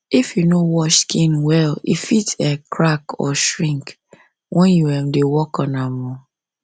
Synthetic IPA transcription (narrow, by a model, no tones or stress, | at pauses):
ifjunowɔʃskĩnwɛlḭfitʰɛkʰɹakɔ̰ʃɹĩŋk | wʔɛ̃njuɛmdewɔkɔ̃namɔ̃